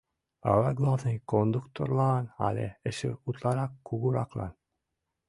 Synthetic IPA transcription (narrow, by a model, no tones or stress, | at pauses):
ɑ̰lɑɡlˠɑvnɤjkond̪ukt̪o̰ɾlˠɑna̰lʲḛəʃɘ̰ut̪lˠɑɾɑkːuɣuɾɑklˠɑ̰n